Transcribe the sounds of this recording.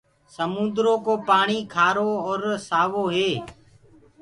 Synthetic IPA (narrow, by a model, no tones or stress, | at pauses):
səmũːnd̪ɾõːkoːpaːɳiːkʰaːɾoːɔːɾsaːʋoːɦeː